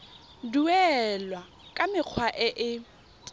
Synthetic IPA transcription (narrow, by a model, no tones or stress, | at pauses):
duɛlwa | kʼamɪq͡χʰwaʔɛʔɪ